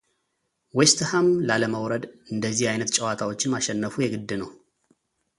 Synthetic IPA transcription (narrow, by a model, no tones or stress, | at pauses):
wɛst̪ʰəhamlaləməwɾəd̪ɨnd̪əzːihajnət̪t͡ʃʼɛwat̪ʰawo̞t͡ʃːɪnmaʃɛnːəfujɛɡɨd̪ːɨnəw